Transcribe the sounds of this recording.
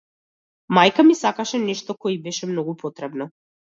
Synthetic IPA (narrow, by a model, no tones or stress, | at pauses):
majkamisakaʃɛnɛʃt̪ɔkɔibɛʃɛmnɔɡupʰɔt̪ɾɛbnɔ